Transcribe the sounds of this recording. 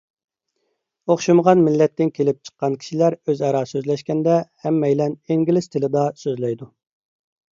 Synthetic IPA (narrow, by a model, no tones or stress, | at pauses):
oχʃɨmʁɑnmɪlːɛt̪ːɪnkʲʰelɪp̚t͡ʃʰə̥qːɑnkʲʰi̥ʃilæɾøzɑɾɑːsøzlɛʃkʲɛnd̪ɛhɛmːɛjlɛneŋɡʲilɪst̪ʰɪlɪd̪ɑsøzlɛjd̪u